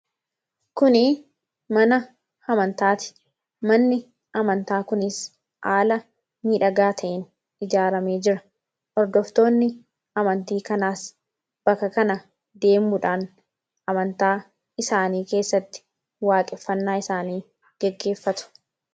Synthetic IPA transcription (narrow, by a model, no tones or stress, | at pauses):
kʊnɪ | mɐnɐ | hɐmɐnt̪aːt̪ɪ̥ | mɐnːɪ | ɐmɐnt̪aːkʊnɪs | ʔaːlɐ | miːᶑɐɡaːt̪ʰɐʔɪn | ɪd͡ʒaːɾɐme̞ːd͡ʒɪɾɐ | ʔɔɾd̪ɔft̪o̞ːnːɪ | ɐmɐnt̪iːkɐnaːs | b̥ɐkːɐkɐnɐ | d̪e̞ːmːʊᶑaːn | ɐmɐnt̪aː | ɪsaːniːke̞ːsːɐt̪ːɪ̥ | waːkʼɪfːɐnːaːɪsaːniː | ɡ̥ɛɡːe̞ːfːɐt̪ʊ̥